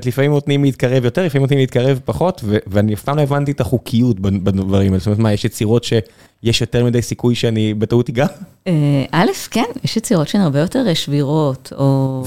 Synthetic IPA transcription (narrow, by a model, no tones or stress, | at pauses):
tlifamimnot̪nimliːt̚kaʁevjo̞t̪eʁlifaimotnimliːt̚kaʁevpaχo̞tveveaniafpaːmloevantiet̪aχukʰijutbabavaʁimalstomeetmajeʃjet͡siʁo̞tʃe̞ | jeʃjo̞teʁmid̪ejsikujʃeanibetautiɡa | eʔalefkenjɛʃjet͡siʁotʃeaniaʁbejoteʁeʃviʁo̞tʰo